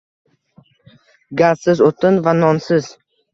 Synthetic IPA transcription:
ɡʲazsɪzot̪ʰɪnvanɒnsɪz

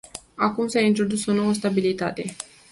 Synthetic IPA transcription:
akumsaint̪ɾo̞d̪uso̞no̞wəst̪abilit̪at̪e̞

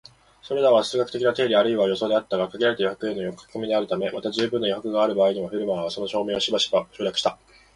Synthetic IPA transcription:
so̞ɾe̞d̪aβasɨːɡakɯ̟̥ekʲinat̪e̞ːɾʲiaɾɯ̟iβajo̞so̞ːd̪e̞at̪ːaɡakaɡʲeɾaɾe̞t̪ajihakɯ̟e̞nːojokːḁkɯmʲid̪eaɾɯ̟t̪ame̞mat̪ad͡ʑɨːbɯ̃nːojiɦakɯ̟ɡaːɾɯ̟baːiɲ̟imaɸɯ̟ɾɯ̟maːβaso̞no̞ɕo̞ːmẽ̞ːoɕibaɕɕoːɾʲakɯ̟ɕi̥t̪a

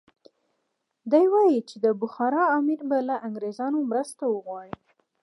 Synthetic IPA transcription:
d̪ajwɑjit͡ʃed̪əbʊxɑɾɑːmɪɾbalaʔaŋɡɾezɑnomɾəst̪awəɣwɑɽi

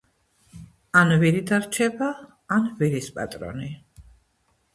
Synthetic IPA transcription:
anviɾid̪aɾt͡ʃʰɛbaː | nviɾispʼa̰t̪ʼɾɔ̰ni

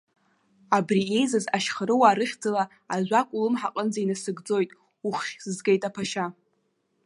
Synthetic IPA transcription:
abriejzazaʃχəɾɨwaːɾɨχʲd͡zala | aʒʷakʷʼʊlɨmħaqʼənd͡zainasɨɡd͡zo̞jtʼ | uχʲzɨzɡejtʼapʰaʃa

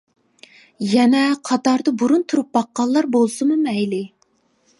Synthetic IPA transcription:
jɛnɛqʰɑt̪ɑɾd̪ɑbuɾunt̪ʰuɾup̚bɑqːɑlˠːɑɾbolˠsɨmɨmɛjlɪ

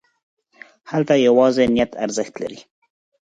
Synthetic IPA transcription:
halt̪ajawɑzenijat̪ʰa̰ɾzəxt̪la̰ɾi

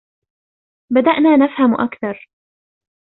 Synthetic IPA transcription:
bad̪aʔnaːnafhamʔakθɑɾˤ

